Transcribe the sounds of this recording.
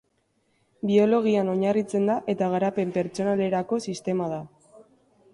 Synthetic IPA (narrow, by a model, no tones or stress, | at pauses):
bio̞lo̞ɣ̞iano̞ɲarit͡se̞nd̪aʔe̞t̪aɣ̞aɾape̞mpe̞ɾt͡ʃo̞nale̞ɾako̞sist̪e̞mað̞a